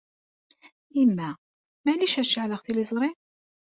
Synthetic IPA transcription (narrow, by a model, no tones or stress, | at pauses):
imːæ | mæliʃæɾʃəʕləʁθilizˤɾˤi